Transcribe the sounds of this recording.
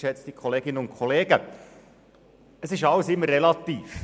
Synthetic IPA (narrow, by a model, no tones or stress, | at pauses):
ʃɛt͡stikʰɔleːɡɪnəʊntkʰɔleːɡ̥ə | əsɪʃɑləsɪmːərːɛlɑt̪iːf